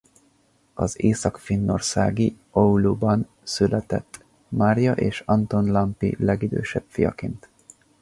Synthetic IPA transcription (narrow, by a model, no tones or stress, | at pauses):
ɒzeːsɒkfinːo̞rsaːɡi | oulubɒn | sylɛt̪ɛt̪ː | maːrjɒʔeːʃɒnt̪o̞nlɒmpḭlɛɡid̪ø̰ːʃɛbfijɒ̰keːnt̪